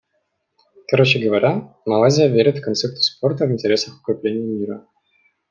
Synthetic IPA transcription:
kɐɾo̞t͡ɕɪɡəvɐɾʲʔa | mɐlˠazʲɪjəvʲeɾʲɪt̪fkɐnt̪sɛk̚t̪ʊ̥spo̞rt̪əvɨnʲtʲɪɾʲe̞səxʊ̥kɾʲɪplʲenʲɪɪmʲiɾə

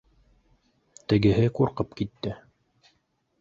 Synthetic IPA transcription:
t̪ɘ̆ɡɘ̆ɦɘquɾqɤpkit̪ːɘ

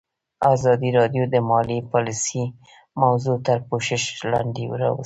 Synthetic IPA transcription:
ɑzɑd̪iɾɑd̪jod̪əmɑlipɑlisi | mawzot̪əɾpoʃɪʃlɑ̰ɳd̪ewɾɑ̰wə̰s

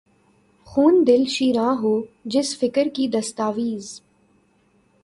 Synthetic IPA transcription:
xuːnd̪ɪlʃiːɾãːɦoːd͡ʒɪsfɪkəɾkid̪ɐst̪aːʋiːz

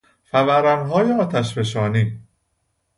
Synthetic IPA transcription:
fævæɾænɦɒːjeɒːt̪ʰæʃbeʃ̬ɒːniː

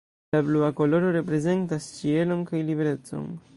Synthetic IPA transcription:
labluako̞lo̞ɾo̞ɾe̞pɾe̞ze̞ntast͡ʃie̞lo̞nkajlibeɾe̞t͡so̞̰n

